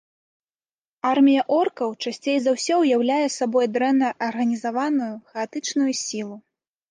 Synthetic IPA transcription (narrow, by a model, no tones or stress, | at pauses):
armʲijɐʔɔrkɐwt͡ʂasʲt͡sʲejzawsʲɔwjawlʲajɛsabɔjd̪ɾɛnːɐʔɐrɣɐnʲizavanujuxɛat̪ɨt͡ʂnujusʲilˠu